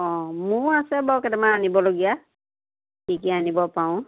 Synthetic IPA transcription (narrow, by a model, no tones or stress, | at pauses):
ɔ̃mʊɹasɛbɔkɛtɛmaanibɔloɡija | tʰikɛanibɔpaʊ̃